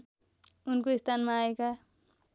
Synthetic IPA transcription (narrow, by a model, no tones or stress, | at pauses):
unkoist̪ʰanmaːeka